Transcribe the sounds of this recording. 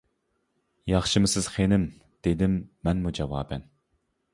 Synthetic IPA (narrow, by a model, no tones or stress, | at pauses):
jɑχʃɨmɨsɪz̥χenɪm | d̪̥ed̪ɪmːɛnmud͡ʒɑwɑ̰ːbɛn